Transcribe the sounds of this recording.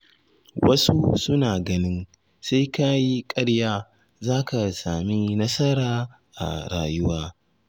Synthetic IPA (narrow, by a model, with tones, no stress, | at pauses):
wɐ˦su˦sʊ˦naː˨ɡɐ˦nɪ˦n | sa˦jka˦ji˦kʼɐ˦ɽjaː˦ | zaː˦ka˨saː˨mi˦nɐ˦sɐ˦ɾaː˨ | ʔa̰˨ɽa̰ː˨jʊ˦waː˦